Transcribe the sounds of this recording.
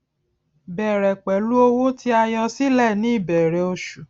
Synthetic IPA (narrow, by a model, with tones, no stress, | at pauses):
bɛ˨ɾɛ˨k͡pɛ˨lu˦o˧wo˦ti˧˦a˧jɔ˧si˦lɛ˦˨nĩ˦i˦˨bɛ˨ɾɛ˨o˧ʃu˨